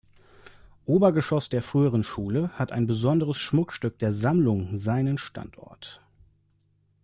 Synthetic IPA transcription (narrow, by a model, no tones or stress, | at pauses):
ʔoːbɐɡəʃɔsd̥eːɐfʁ̥yːəʁ̞ənʃuːləhatʔa̰ɪnbəzɔndəʁəsʃmʊkʃtʏk̚d̥eːɐzamlʊŋzaɪnənʃtʰa̰ntʰʔɔ̰ɐt